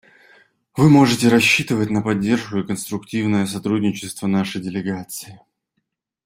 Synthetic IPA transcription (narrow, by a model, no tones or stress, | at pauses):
vɨmo̞ʐɨtʲɪɾɐɕːit̪ɨvətʲnəpɐdʲːe̞rʂkʊɪkənst̪ɾʊktʲivnəjəs̬ɐt̪ɾudʲnʲɪt͡ɕɪst̪vənaʂəjdʲɪlʲɪɡat̪sɨɪ